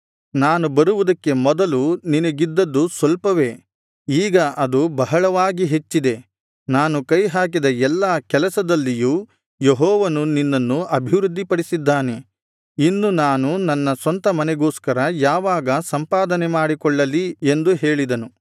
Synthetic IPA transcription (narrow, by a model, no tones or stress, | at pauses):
naːnubɐɾuʋud̪ɐkːe̞mɔd̪ɐluninɐɡid̪ːɐd̪ːusʋɐlpɐʋe̞ | iːɡɐʔɐd̪ubɐɦɐɭɐʋaːɡiɦe̞t͡ʃːid̪e̞ | naːnukɐjɦaːk̬id̪ɐɛlːakɛlɐsɐd̪ɐlːijuː | jeɦɔːʋɐnuninːɐnːuɐbʱiʋɾud̪ʱːipɐɽisid̪ːaːne̞ | inːunaːnunɐnːɐsɐnt̪ɐmɐnɛɡo̞ːskɐɾɐjaːʋaːɡɐsɐmpaːd̪ɐnemaːɽikɔɭːɐliend̪uɦeːɭid̪ɐnu